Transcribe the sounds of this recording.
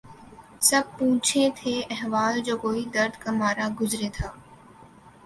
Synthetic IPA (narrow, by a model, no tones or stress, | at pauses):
sɐb̚pũːt͡ʃʰet̪ʰeːʔɛɦʋaːld͡ʒoːkoːid̪ɐɾd̪ʱkamaːɾaɡʊzɾet̪ʰaː